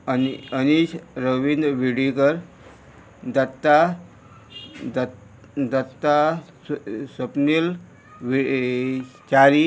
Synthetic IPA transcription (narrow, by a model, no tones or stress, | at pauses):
iəniɕɾəʋind̪ʋiɽikəɾ | d̪ət̪ːa | d̪ət̪ːa | ssəpnil | ʋi | t͡ɕaɾi